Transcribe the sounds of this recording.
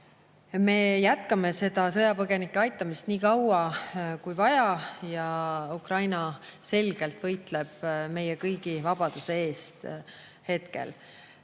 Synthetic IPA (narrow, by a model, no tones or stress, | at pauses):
me̞ːjæt̪kɑme̞se̞d̪̥ɑsɤ̞jɑpɤɡ̥e̞nikːˑeɑjt̪ːˑɑmist̪niːkɑwɑkujvɑjɑjɑukrɑjnɑse̞lɡ̥e̞lt̪vɤjt̪ˑleb̥me̞jekɤjɡ̥ivɑb̥ɑd̪̥use̞e̞ːst̪ | he̞t̪kḛl